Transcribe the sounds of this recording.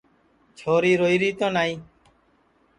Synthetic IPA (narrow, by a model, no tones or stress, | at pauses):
t͡ʃʰoːɾiːɾoːiːɾiːt̪õːnaːĩː